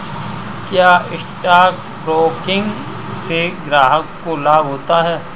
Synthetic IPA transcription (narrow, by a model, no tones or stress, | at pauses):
kjaːɪsʈaːk̚ | bɾoːkɪ̃ŋɡ | seɡɾaːɦəkːolaːbɦoːt̪aɦɛː